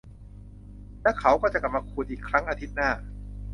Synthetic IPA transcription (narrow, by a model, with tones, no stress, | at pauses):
lɛ˦˥kʰa˦˥wkɔː˥˩t͡ɕa˨˩kla˨˩p̚maː˧kʰuː˧nʔiː˨˩kʰːɾa˦˥ŋʔaː˧t̪ʰi˦˥t̪̚naː˥˩